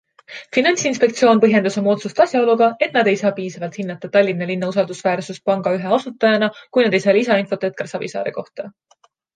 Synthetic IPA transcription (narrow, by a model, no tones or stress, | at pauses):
finɑnʲt̪sinspe̞k̚t̪sijo̞ːnpɤɦje̞nd̪uso̞mo̞t̪sust̪ɑsʲjɑo̞luɡ̥ɑe̞t̪nɑd̪e̞jsɑːpiːsɑvɑlt̪hinːɑt̪ːˑɑt̪ɑlʲːinːɑlinːɑusɑld̪̥usvæːrsus̚pɑŋɡ̥ɑyɦeɑsut̪ːˑɑjɑnɑkujnɑd̪̥e̞jsɑːlisɑinfo̞t̪et̪̚kɑrsɑbḭsɑ̰ːɾeko̞ht̪ɑ